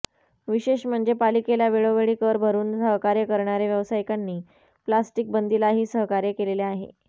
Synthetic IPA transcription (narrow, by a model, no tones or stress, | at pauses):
ʋiɕeɕm̤əɳd͡zepalikelaʋeɭoʋeɭiːkəɾbʱəɾuːnsəɦkaɾjekəɾɳaɾjeʋjəʋsajikanːiː | plasʈik̚bənd̪ilaɦiːsəɦkaɾjekeleleaɦḛ